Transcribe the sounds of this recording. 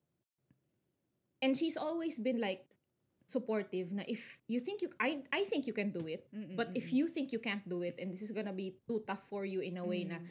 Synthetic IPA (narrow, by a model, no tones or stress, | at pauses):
ʔɛ̃nd̪ʃisɔlwejsbɪ̃nlaɪk̚ | sʊpɔɹt̪ɪvnɐʔɪfjuθɪ̃ŋkjuʔaʔajθɪ̃ŋkjukɛ̃nd̪uɪt̪̚b̥ɐt̪ɪfjuθɪ̃ŋkjukæ̃nt̪̚d̪uɪt̪ɛ̃nd̪ɪsɪsɡɔnɐbit̪ut̪ɐfːɔɹjuɪ̃nɐweɪnɐ